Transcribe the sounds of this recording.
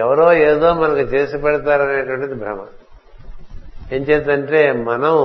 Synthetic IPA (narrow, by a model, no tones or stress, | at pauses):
ɛʋɐɾo̞ːeːd̪o̞ːmɐnɐkut͡ʃe̞ːsipɛɽɐt̪aːɾɐneːʈʋɐɳʈɐd̪ibʱɾɐ̰mɐ̰ | e̞ːnt͡ʃeːpt̪ɐɳʈe̞ːmɐnɐm